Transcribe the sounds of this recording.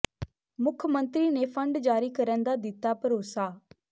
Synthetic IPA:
mʊkʰəmə̃nt̪ɾiːneːpʰəɳɖd͡ʒaːɾiːkəɾənd̪aːd̪ɪt̪ːaːpəɾoːsaː

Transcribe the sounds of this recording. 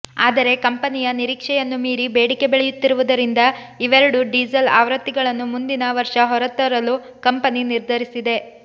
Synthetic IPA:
aːd̪ɐɾe̞kɐmpɐnijɐniɾiːkʂɛjɐnːumiːɾibeːɽike̞beɭejut̪ːiɾuʋud̪ɐɾind̪ɐ | iʋɛɾɐɽuɖiːd͡ʒɐla̰ːʋɾɐt̪ːiɡɐɭɐnːumund̪inɐʋɐɾʂɐɦɔɾɐt̪ːɐɾɐlu | kɐmpɐniniɾd̪ʱɐɾisid̪e̞

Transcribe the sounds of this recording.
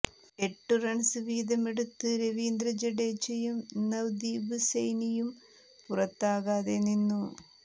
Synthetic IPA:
e̞ʈːurɐɳsɨʋiːd̪ɐme̞ɽut̪ːɨɾeʋiːnd̪ɾɐd͡ʑɐɽeːt͡ɕːɐjumnɐwd̪iːbɨsejnijum | purɐt̪ːaːɣaːðeninːu

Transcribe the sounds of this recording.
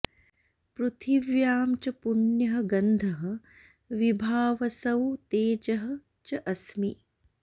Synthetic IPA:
pɾut̪ʰiʋjaːmt͡ʃɐpuɳjɐɦɐ̆ɡɐnd̪ʱɐɦɐ | ʋibʱaːʋɐsɐwt̪eːd͡ʒɐɦɐ̆ | t͡ʃɐʔɐsmi

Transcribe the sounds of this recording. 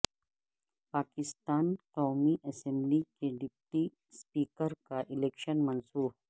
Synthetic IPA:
paːkɪst̪aːnkɔːmiʔɛsɛ̃mblikeɖɪp̚ʈi | spiːkəɾkaʔɪleːkʃənmɐnsuːɦ

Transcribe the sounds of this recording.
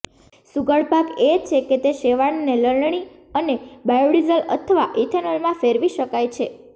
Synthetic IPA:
suɡəɭpaket͡ʃʰeket̪eʃeʋaɳneləɭɳɳ̃i | ənebajoɽizələt̪ʰəʋaʔiʈʰənəlmãfeɾʋiʃəkajt͡ʃʰe

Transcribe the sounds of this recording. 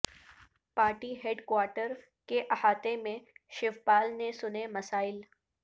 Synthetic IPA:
paːɾʈiɦeɖkwaːɾʈəɾ | keʔɐhaːt̪emẽʃɪʋbaːlnesʊnemɐsaːɪl

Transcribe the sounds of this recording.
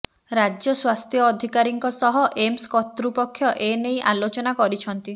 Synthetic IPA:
ɾad͡ʒjɔswast̪ʰjɔːd̪ʱikaɾiŋkɔsɔɦɔʔemskɔt̪ɾupɔkʰːjɔʔenejʔalot͡ʃɔnakɔɾit͡ʃʰɔnt̪i

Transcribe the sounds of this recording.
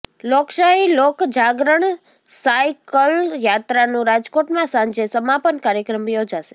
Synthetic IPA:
lokʃailokd͡ʒaɡɾəɳ̃ | sajkəljat̪ɾanũɾad͡ʒkoʈmãsãɲd͡ʒesəmapənkaɾjəkɾəmjod͡ʒaʃe̥

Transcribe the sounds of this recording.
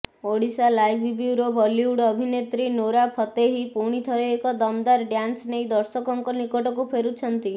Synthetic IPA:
oɽisalajbʱbuuɾɔbʱɔliuɽɔbʱinet̪ɾinoɾapʰɔt̪eɦipuɽ̃it̪ʰɔɾeekɔd̪ɔmd̪aɾɖjansnejd̪ɔɾsɔkɔŋkɔnikɔʈɔkupʰeɾut͡ʃʰɔnt̪i

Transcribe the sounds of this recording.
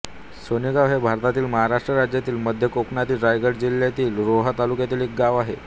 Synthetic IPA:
sonikaʋɦebʱaɾt̪at̪iːlməɦaɾaʂʈɾəɾad͡ʑjat̪iːlməd̪ʱjəkokɳat̪iːɾajɡəɽd͡ʑilːjat̪iːlɾoɦət̪alukjat̪iːlek̚ɡaʋaɦḛ

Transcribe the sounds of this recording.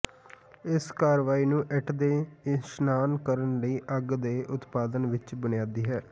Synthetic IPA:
ɪskaːɾʋaːiːnũːʔɛʈʰd̪eːʃnaːnkəɾənləiːʔəɡd̪eːʔʊt̪paːd̪ənʋɪt͡ʃbənɪjaːd̪iːɦɛː

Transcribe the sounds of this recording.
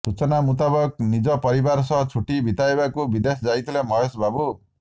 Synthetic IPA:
t̪ut͡sɔnamut̪̬abɔk̚nid͡ʒʌpʌɾibaɾsʌɦt͡sʰuʈibʱit̪aebakubid̪esɔd͡zajt̪ʰlemʌɦosbabu

